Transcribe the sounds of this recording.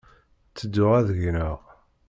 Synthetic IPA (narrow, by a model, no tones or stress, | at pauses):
t͡sːəd̪ːʊʁæðʝnəʁ